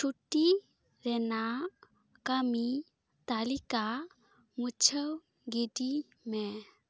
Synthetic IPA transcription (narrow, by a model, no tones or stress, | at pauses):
t͡ʃʰuʈːi | ɾɛna | kami | t̪alika | mut͡ʃʰəw | ɡidi | mɛ